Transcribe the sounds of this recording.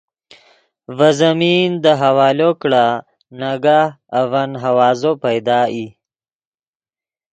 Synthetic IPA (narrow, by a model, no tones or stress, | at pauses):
vazamind̪əɦawɑːlokɽa | naɡaː | vanɦawɑːzopajd̪ɑːi